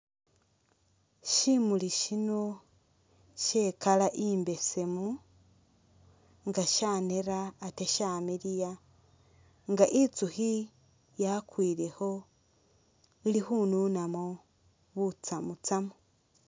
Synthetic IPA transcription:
ʃimuliʃino | ʃeːkalaʔiːmbe̞se̞mu | ŋɡaʃaːneɾaːteʃaːmiɾija | ŋɡaʔit͡suhi | jakwiːɾe̞ho̞ | ilixununamo | βut͡samut͡samu

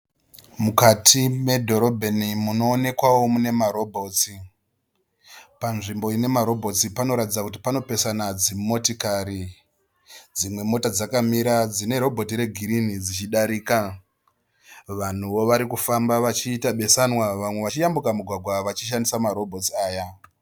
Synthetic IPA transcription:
mukatʰime̞dʱo̞ɾo̞bʱenimuno̞ːne̞kwawo̞mune̞maɾo̞bʱo̞ːt͡si | panʐimbo̞ine̞maɾo̞bʱo̞t͡sipano̞ɾatid͡zakut̬i̥pano̞pe̞sanad͡zimmo̞tikaɾi | d͡zimwe̞mo̞tad͡zakamiɾad͡zine̞ɾo̞bʱo̞tiɾe̞ɡʱiɾinid͡zit͡ʃiɗaɾiːka | ʋan̤uʋo̞ʋaɾikufambaʋat͡ʃiːtaɓe̞sanwaʋamwe̞ʋat͡ʃijambukamuɡʱwaɡʱwaʋat͡ʃiʃ̬andisamaɾo̞bʱo̞t͡saːja

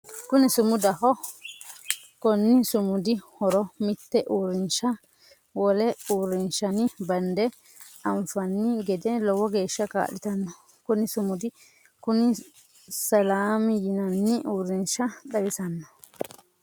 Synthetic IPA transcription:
kʊnɪsʊmʊd̪ɐhɔ | kɔnːɪsʊmʊd̪ɪhɔɾɔmɪt̪ːɛʔuːɾɪnʃɐ | wɔlɛuːɾɪnʃɐnɪbɐnd̪ɛ | ɐmfɐnːɪɡɛd̪ɛlɔwɔɡe̞ːʃːɐka̰ːɗɪt̪ɐnːɐ | kʊnɪsʊmʊd̪ɪ | kʊnɪ | sɐlaːmɪjɪnɐnːɪʔuːɾːɪnʃɐɗɐwɪsɐnːɐ

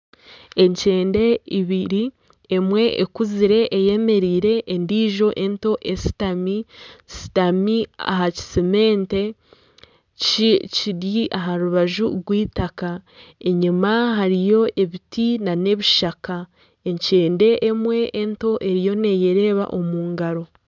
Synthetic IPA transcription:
e̞ɲt͡ʃe̞ːnde̞iβiɾi | emwe̞ḛkuziɾe̞ʔːje̞me̞ɾiːɾe̞ʔːndiːʒo̞ʔe̞nto̞ʔesi̥tamisi̥tamia̰ɦaci̥sime̞ːnte̞ | ciɾjiʔaɦaɾuβaʒuɾɡwiːtakae̞ɲimaɦaɾijo̞ʔe̞βitinane̞βiʃaka | eɲce̞ːnde̞ʔːmwe̞ʔːnto̞ʔe̞ɾijo̞ne̞je̞ɾe̞ːβa̰ʔo̞muːŋɡaɾo̞

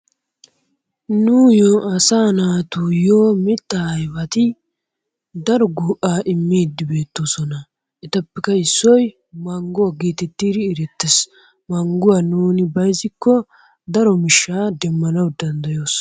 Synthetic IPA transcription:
nuːjoɐsaːnaːt̪ujoːmɪt̪ːɐɐjbɐt̪ɪ | d̪ɐɾɔɡuːʔaːʔɪmːeːd̪ːɪbe̞ːt̪ːo̞sɔnɐ | ʔɪt̪ɐpːɛkɐɪsːɔj | mɐŋɡʊwaɡiːt̪ɛt̪ːiːd̪ɪːɾɛt̪ːɛs | mɐŋɡʊwanuːnɪbɐjzɪkːɔ | d̪ɐɾɔmɪʃːaːd̪ɛmːɐnɐwd̪ɐnd̪ɐjo̞ːs

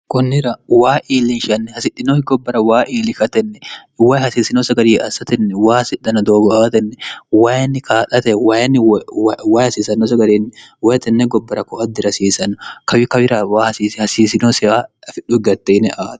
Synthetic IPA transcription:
kʊnːɪɾɐwaːʔiːlɪnʃɐnːɛhɐsɪtːɪnoːhɪɡɔbːɐɾɐwaːʔiːlɪkɐt̪ɛnːɛwaːjhɐsiːsɪnosɐɡɐɾiːʔɐsɐt̪ɛnːɛwaːhɐsɪᶑːɐnɐd̪oːɡɔaːt̪ɛnːɛwaːjɐnːɪkaːtʼɐt̪ɛwaːjɐnːɪwawaːjhɐsiːsɐnɔs̬ɐɡɐɾiːnːɪwajt̪ɛnːɛɡɔbːɐɾɐkɔɐd̪ːɪɾɐsiːsɐnːʊkɐwɪkɐwɪɾawaːhɐsiːshɐsiːsɪnoːsɪaːfɪᶑːʊɪɡɐt̪ːenɛʔaːt̪

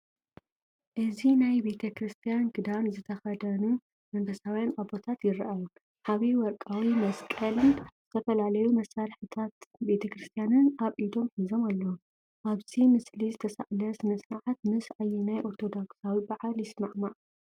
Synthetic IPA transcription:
ʔɨzinajbe̞t̪ʰɐkɾɨst̪ʰijanɡɨd̪anzɨt̪ʰɐxɐd̪ɐnu | mɐmbʰɐsawjanʔabo̞t̪ʰat̪jɪrɐʔaju | ħaβiwɔɾkʼawimɐskʼɐlɨnz̥ɨt̪ʰɐfɐlalɐjumɐsːaɾħɨt̪ʰat̪be̞t̪ʰɐkɾɨst̪ʰijanɨnʔaβʔid̪o̞mħizo̞malːo | ʔaβzimɨslizɨt̪ʰɐsa̰ʕlɐsmɐsnaʕat̪̚mɨsʕajinajʔo̞ɾt̪ʰo̞d̪oksawibaʕaljɪsmaʕmaʕ

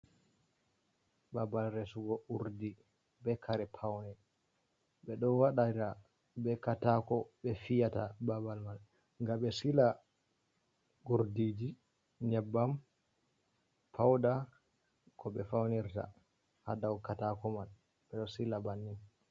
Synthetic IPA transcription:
babalɾesuɡɔʔuɾdi | bɛkʰaɾɛpʰawnɛ | ɓɛɗɔnwaɗata | bɛkatakɔɓɛfijatababalmal | ŋɡaɓɛsila | ɡuɾdid͡ʒi | ɲɛbːam | pʰawda | kʰɔɓɛfawniɾta̰ | ha̰dawkatakɔmal | ɓɛɗɔsilabanːim

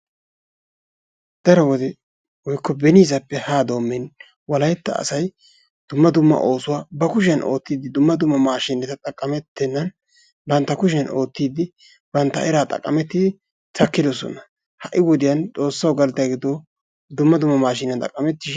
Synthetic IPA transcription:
d̪̥ɐɾɔwɔd̪ɛ | wɔjkːɔbɛniːzɐpːɛhaːd̪o̞ːmːɛn | wɐlɐjɛt̪ːɐ̰ːsɐj | d̪̥ʊmːɐd̪ʊmːɐ̰ʔo̞ːsʊwaːbɐkʊʃ̬ɐnʔo̞ːt̪ːiːd̪ɪd̪ʊmːɐd̪ʊmːɐmaːʃɪnɛt̪ɐt̪ʼɐkʼːɐmɛt̪ːɛnːɐn | bɐnt̪ːɐkʊʃɛnʔo̞ːt̪ːiːd̪ɪ | bɐnt̪ːɐ̰ɛɾaːt̪ʼɐ̰kʼːɐ̰mɛt̪ːɪd̪ɪ | t̪ʰɐkːɪd̪ɔsɔ̰nɐ | hɐʔɪwɔd̪ɪjɐnt͡sʼo̞ːsːɐwɡɐlt̪ɐɡɪd̪o | d̪ʊmːɐd̪ʊmːɐmaːʃɪnɐnt̪ʼɐ̰kʼːɐmɛt̪ːɪʃ

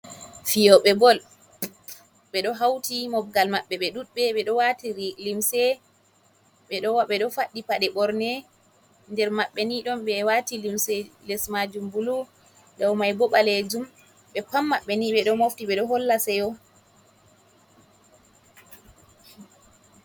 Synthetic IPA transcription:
fijɔɓɛbɔl | ɓɛɗɔɦawtimɔb̚ɡalmaɓːɛɓɛɗuɗɓɛɓɛɗɔwatilimsɛ | ɓɛɗɔwaɓɛɗɔfaɗːipaɗɛɓɔɾnɛ | ndɛɾmaɓːɛniɗɔmɓɛwatilimsɛlɛsmad͡ʒumbulu | dawmajbɔɓaled͡ʒum | ɓɛpamːaɓːɛniɓɛɗɔmoftiɓɛɗɔɦɔlːasɛjɔ

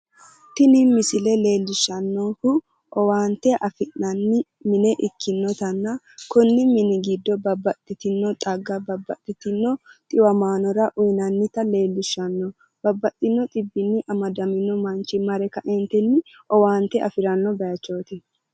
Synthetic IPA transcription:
t̪ːɪnɪmɪsɪlɛle̞ːlːɪʃɐnːoːhʊ | ʔɔwaːnt̪ɛʔɐfɪʔɐnːɪ | mɪnɛʔɪkːɪnːɔt̪ɐnːa | kʊnːɪmɪnɪɡɪd̪ːɔbɐbːɐt̪ʼːɪt̪ɪnːɔt̪ʼɐɡɐbɐbːɐt̪ʼːɪt̪ɪnːɔt̪ʼɪwɐmaːnɔɾɐʔʊjnɐnːɪt̪ɐle̞ːlːɪʃːɐnːɔ | bɐbːɐt̪ʼːɪnːɔt̪ʼɪbːɪnːɪʔɐmɐd̪ɐmɪnːɔmɐnt͡ʃɪmɐɾɛkɐʔɛnt̪ɛnːɪ | ɔwaːnt̪ɛʔɐ̰fɪɾɐnːɔbɐjɐt͡ʃːo̞ːt̪ɪ

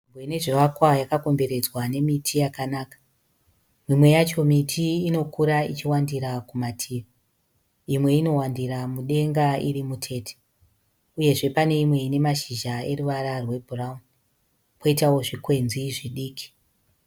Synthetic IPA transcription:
mbwene̞ʐeʋakwajakako̞mbe̞ɾe̞d͡zwane̞mitʰijakanaːkḁ | mimwe̞jat͡ʃo̞mitʰiːno̞kuɾait͡ʃiwandiɾakumatʰiʋa | imwe̞ino̞wandiɾamuɗe̞ŋɡaiɾimutʰe̞ːtʰe̥ | uje̞ʐe̞pane̞imwe̞ine̞maʃiʒae̞ɾuʋaɾarwe̞bʱuraumu | pʰo̞itawo̞ʐikwe̞nziʐiɗiːkʰi̥

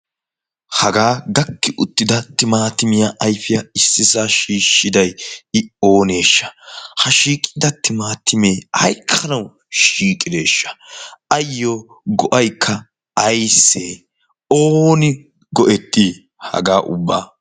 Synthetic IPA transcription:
hɐɡaːɡɐkːɪʔʊt̪ːɪd̪ɐt̪ɪmaːt̪ɪmɪjaʔɐjfɪjɐɪsːɪsaːʃiːʃːɪd̪ɐjɪo̞ːne̞ːʃːɐ̥hɐʃiːkʼd̪ɐt̪ɪmaːt̪ɪmeːɐ̰jkʰːɐnɐw | ʃiːkʼɪd̪e̞ːʃːɐ̥ɐjːoː | ɡɔʔɐjkʰːɐ | ɐjsːeː | oːnɪ | ɡɔʔɛt̪ʼːiː | hɐ̰ɡaːʔʊ̰bːa̰ː

